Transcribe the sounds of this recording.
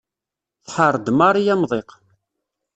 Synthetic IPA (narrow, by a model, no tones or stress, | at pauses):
θħəɾˤd̪mɑɾˤijæmðˤeq